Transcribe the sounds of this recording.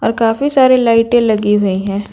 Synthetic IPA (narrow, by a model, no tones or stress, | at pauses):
ɔːɾkaːfisaːɾilaːɪʈẽlɐɡiɦʊiɦɛ̃ː